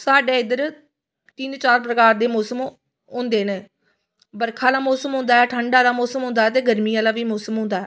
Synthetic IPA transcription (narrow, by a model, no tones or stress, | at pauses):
saːɖeːɪd̪əɾ | t̪iːnt͡ʃaːɾp̬ɾəkaːɾd̪eːmɔːsəm | ɦʊ̃ːnd̪eːneː | bəɾkʰaːlaːmɔːsəmɦʊ̃ːnd̪aːɛːʈʰəɳɖaːlaːmɔːsəmɦʊ̃ːnd̪aːɛːt̪̬eːɡəɾmiːjãːlaːʋiːmɔːsəmɦʊ̃ːnd̪aːɦɛː